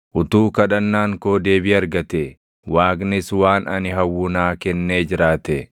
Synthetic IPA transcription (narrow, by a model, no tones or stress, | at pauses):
ʔʊt̪uːkɐᶑɐnːaːŋko̞ːd̪e̞ːbɪɐɾɡɐt̪ɛ | waːknɪswaːnɐnɪɦɐwːʊnaːkɛnːeːd͡ʒɪɾaːt̪ɛ